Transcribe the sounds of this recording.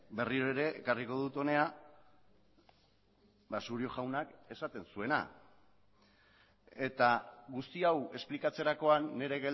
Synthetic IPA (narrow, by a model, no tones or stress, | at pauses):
be̞riɾoeɾe̞ʔːkariko̞ð̞ut̪o̞ne̞a | βasuɾio̞ʝawnake̞sat̪e̞nsue̞na̰ | e̞t̪aɣust̪iawe̞splikat͡se̞ɾako̞anːe̞ɾe̞ɣel